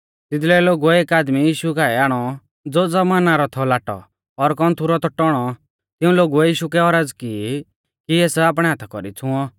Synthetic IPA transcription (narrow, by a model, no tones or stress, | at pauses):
t̪ɪd̪lɛloːɡuɛeːkaːd̪mijiːʃukaːɛaːɽ̃ɔ | d͡zoːd͡zɔmaːnaɾɔt̪ʰɔlaːʈɔ̰ | ɔɾkɔnt̪ʰuɾɔt̪ɔʈɔɽ̃ɔ | t̪ɪũloːɡuɛjiːʃukɛɔɾad͡zki | kieːsaːp̬ɽ̃ɛ̃ɦat̪ʰḁkɔ̰ɾḭt͡sʰʊ̃ɔ